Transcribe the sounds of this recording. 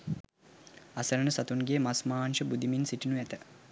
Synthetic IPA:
asəɾənəsat̪unɡejəmasmaːnʃəbud̪iminsiʈinuæt̪ə

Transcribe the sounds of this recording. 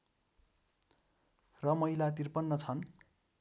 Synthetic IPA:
rʌmʌɦilat̪irpʌnːʌt͡sʰʌn

